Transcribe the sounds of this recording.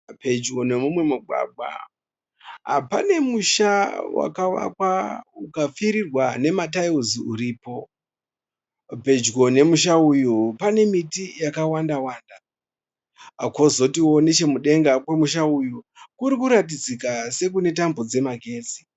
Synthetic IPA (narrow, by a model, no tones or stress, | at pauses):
pe̞d͡ʒɡo̞ne̞mumwe̞muɡʱwa̰ɡ͡ba̰ | ɦa̰pane̞muʃawa̰kawa̰kwaukap͡fiɾirwane̞mat̬aiuziuɾiːpo̞ | pe̞d͡ʒɡone̞muʃaujupane̞mitijakawandawaːnda | ko̞zo̞tiwo̞net͡ʃe̞muɗe̞ŋɡakwe̞muʃauju | kuɾikuɾatid͡zikase̞k̬une̞t̬ambod͡ze̞maɡʱe̞ːt͡si̥